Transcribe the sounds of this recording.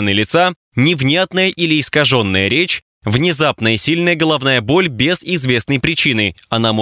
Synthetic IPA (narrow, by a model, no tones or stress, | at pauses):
nɨlʲɪt̪sa | nʲɪvnʲat̪nəjəʔilʲɪːskɐʐo̞nːəjəɾʲet͡ɕ | vnʲɪzapnəjəsʲilʲnəjəɡəlˠɐvnajəbo̞lʲbʲɪz̥ɪzvʲe̞snəjpɾʲɪt͡ɕinɨɐnam